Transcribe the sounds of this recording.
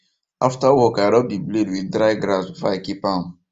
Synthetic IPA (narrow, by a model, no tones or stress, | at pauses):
aftawɔkaɪɾɔbibledwiθdɾaɪɡɾasfakipãn